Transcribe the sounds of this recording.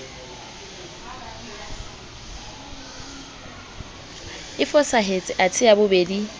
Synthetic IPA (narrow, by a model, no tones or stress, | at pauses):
ɪfɔsaɦet͡sʼɪʔat͡sʰʼɪabʊbeːdi